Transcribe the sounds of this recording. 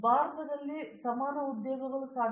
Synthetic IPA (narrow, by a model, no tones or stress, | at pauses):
bʱaːɾɐt̪ɐd̪ɐlːisɐmaːɾɐud̪joːɡɐɡɐɭusaː